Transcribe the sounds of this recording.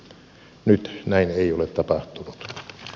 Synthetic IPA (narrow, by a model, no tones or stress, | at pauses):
nyt̪næineˑiolet̪tɑpɑht̪unut̪